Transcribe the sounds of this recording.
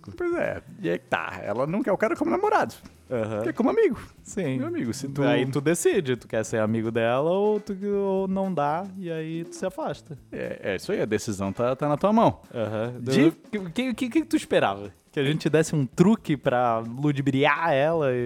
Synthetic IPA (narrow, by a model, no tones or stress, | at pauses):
ʊpojzɛ̰iɛt̪a̰ɛ̰lɐnɐ̃kɐɛʊkaɾɐkõmʊnamoɾad̪ʊ | ɐhɐ̃kɛkõmʊamiɡʊ | sĩmewamiɡʊsɪt̪uait̪ud̪esid͡ʒɪt̪u̥kɛɾseɾamiɡʊd̪ɛlɐot̪uonɐ̃w̃d̪aɪait̪u̥sɪafaʃt̪ɐɛ̰ɛ̰ḭswaiɐd̪esizɐ̃w̃t̪at̪anɐt̪uɐmɐ̃w̃ãɦɐ̃d̪ed͡ʒikːkɪʊkɪkɪkɪt̪uiʃpeɾa̰vɐkɪaʒẽnt͡ʃɪt͡ʃɪd̪ɛsɪũt̪ɾukɪpɾɐlud͡ʒibɾiaɛlɐɪ